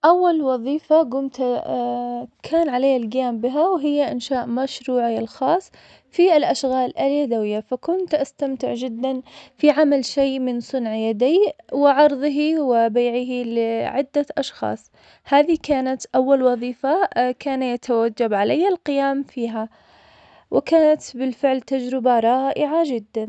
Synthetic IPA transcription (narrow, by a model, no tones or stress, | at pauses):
ʔawːalwɑðˤiːfaɡʊmt̪ | kʰaːnʕalajːalɡɪjaːmbɪɦawɦɪjːaʔɪnʃaːʔmaʃɾuːʕaɪlxɑːsˤ | fiɪlʔaʃɣaːlɪljad̪awɪjːafakʊnt̪ʔast̪amt̪ɪ̰ʕd͡ʒɪd̪ːanfiʕamalʃeːʔmɪnsˤʊnʕjad̪iːwɪʕɑɾˤðˤɦiwɪbaːʕɪɦilɪʕɪd̪ːaʔɑʃxɑ̰ːsˤ | haːðikaːnat̪ʔawːalwɑðˤiːfakaːnajat̪ʰawad͡ʒːabʕalajːalqɪjaːmfiːɦa | wɪkaːnat̪bɪlfɪʕlt̪ad͡ʒɾɪbaɾˤɑːʔɪʕad͡ʒɪd̪ːan